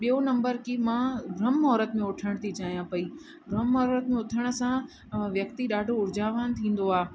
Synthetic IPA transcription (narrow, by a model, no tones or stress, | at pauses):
ɓijonɐ̃mbəɾkimãɡɾɐmːɦɔːɾət̪mẽʊʈʰəɽ̃t̪ʰit͡ɕaːɦijãpɐi | ɡɾɐmːɐɦɾət̪̚mẽʊʈʰəɽ̃ə̆sã | ʋjɐkt̪iɗaːɖʱoʊɾɪd͡ʑʱaːʋant̪ʰĩːn̆d̪oaː